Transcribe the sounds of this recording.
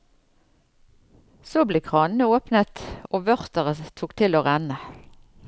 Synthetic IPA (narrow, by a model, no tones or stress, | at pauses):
soːbleːkʰʁɑːnn̩əoːpnət̪oːʋœʁt̪əʁət̪ʰuːkt̪ʰɪloːʁænə